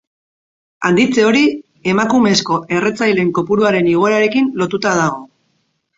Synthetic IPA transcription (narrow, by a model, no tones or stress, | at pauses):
a̰nd̪it͡se̞o̞ɾi | e̞makume̞sko̞ʔe̞ret͡sajle̞ŋko̞puɾuaɾe̞niɣ̞o̞eɾaɾe̞kinlo̞t̪ut̪að̞aɣ̞o̞